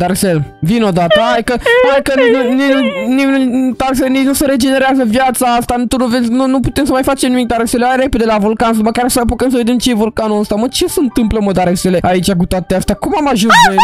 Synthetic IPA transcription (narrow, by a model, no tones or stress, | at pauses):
d̪aɾesel | vinod̪at̪əaikəokəninuniniut̪aɾseninuseɾe̞d͡ʒe̞ne̞ɾeazəvjat̪saast̪ant̪onuvezʲnunuput̪e̞msəmajfat͡ʃemnimik̚d̪aɾeseleajɾe̞ped̪elavulkans̬məkaɾsəpok̪əmsəved̪emt͡ʃeevulkanuəst̪amət͡ʃe̞səɨnt̪ɨmpləmod̪aɾeseleait͡ʃakut̪at̪east̪akumamaʒũnse